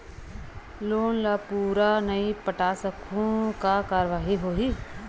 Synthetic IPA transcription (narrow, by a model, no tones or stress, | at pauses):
loːnlaːpuːɾanəipəʈaːsəkʰõkakaːɾʋaːɦiɦoːɦi